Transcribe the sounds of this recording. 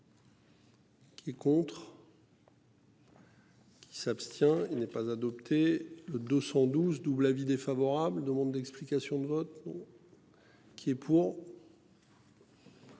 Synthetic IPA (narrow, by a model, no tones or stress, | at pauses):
kʲʰiɛkɔ̃t̪χ | kʲʰi̥sapst̪jɛ̃ilnɛpazad̪ɔpt̪ʰeləd̪əsɑ̃d̪uzd̪ublavid̪efavɔʁabld̪əmɑ̃d̪ːɛksplikʲasjɔ̃d̪əvɔt̪̚d̪̃ | kʰʲiɛpʰuʁ